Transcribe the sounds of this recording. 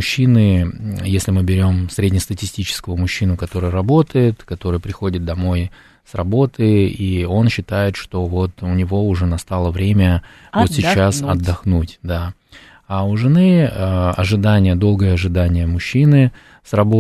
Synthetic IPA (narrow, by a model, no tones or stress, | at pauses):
ʊɕːinɨjesʲlʲɪmɨbʲɪɾʲo̞msɾʲedʲnʲɪəst̪ətʲɪsʲtʲit͡ɕɪ̥skəvʊmʊɕːinʊkɐt̪o̞ɾɨjəɾɐbo̞t̪əjɪt̪kɐt̪o̞ɾɨjəpɾʲɪxo̞dʲɪt̪̚d̪ɐmo̞j | srɐbo̞t̪ʰɨio̞nɕːɪt̪ajɪt̪ʂt̪o̞vo̞t̪ʊnʲɪvo̞ʊʐɛnɐst̪alˠəvɾʲemʲə | vot̪sʲɪt͡ɕːasɐd̪ːɐxnutʲd̪a | aʊʐɨnɨəɐ̰ʐɨd̪anʲɪjəd̪o̞lˠɡəjəɐʐɨd̪anʲɪjəmʊɕːinɨ | srɐbo